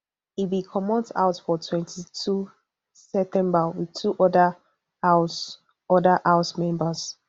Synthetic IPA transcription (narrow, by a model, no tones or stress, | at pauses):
ibikʰɔmɔ̃ta̰ʊtfɔtʰwɛ̃ntʰitʰu | sɛp̚tʰɛ̃mbəwiðtʰuʔɔdə | a | ɔdəʔaʊsmɛ̃mbəs